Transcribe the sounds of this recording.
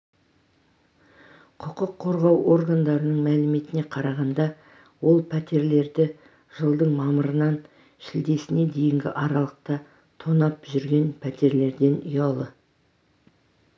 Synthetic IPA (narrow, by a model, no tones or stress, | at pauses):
qʰʊqəqʰːo̞ɾʁɑwʔo̞ɾɡand̪ɑɾənəɴmælɪme̞t̪ɪne̞qʰɑɾɑʁɑnd̪ɑ | wo̞lˠpʰæt̪e̞ɾle̞ɾd̪ɪ | ʒ̥əlˠd̪əɴmɑməɾənɑn | ʃɪld̪e̞sɪne̞d̪e̞jɪŋɡʲɪ̰ʔɑɾɑlˠəq̚t̪ɑ | t̪ʰo̞nɑpʒʏɾɡʲe̞npʰæt̪e̞ɾle̞ɾd̪e̞nʊjɑlˠə